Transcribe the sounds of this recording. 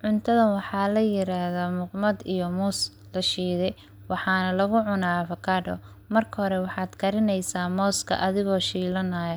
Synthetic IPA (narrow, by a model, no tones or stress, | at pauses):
ʕʊnt̪ʰɐðɐnwɑħɑːlɐjɪɾaːhðɔmʊqmɐd̪ijɔmuːs | lɐʃiːðɛj | wɑħɑːnɐlɐɣʊʕʊnaːfɐkʰaːɖɔ̰ | mɐrkʰɐhɔɾɛwɑħɑːd̪kʰɐɾɪnɛjsaːmɔːskʰɐ̰ʔɐðɪɣɔːʃiːlɐnaːjɐ